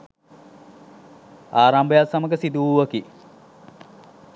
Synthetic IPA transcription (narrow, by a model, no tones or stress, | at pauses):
aːɾambəjasaməɡəsid̪uuʋəki